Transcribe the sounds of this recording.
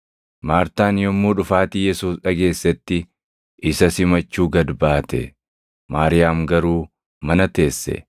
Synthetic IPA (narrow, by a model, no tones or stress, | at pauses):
maːɾt̪aːnjɔmːuːᶑʊfaːt̪ijɛsuːsᶑɐɡe̞ːsːɛt̪ːɪ | ʔɪsɐsɪmɐt͡ʃːuːɡɐd̪baːt̪ɛ̰ | maːɾɪjaːmɡɐɾuː | mɐnɐt̪e̞ːsːɛ̰